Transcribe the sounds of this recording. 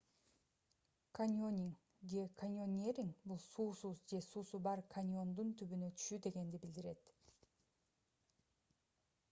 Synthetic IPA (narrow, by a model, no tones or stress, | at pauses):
kʰanʲonʲiŋ | d͡ʒekʰanʲonʲeɾʲiŋbulˠsuːsuzd͡ʒe̞suːsubɑɾkʰanʲo̞nd̪unt̪ʰyβynøt̪ʰy̥ʃyd̪e̞ɡe̞nd̪ibild̪iɾe̞t̪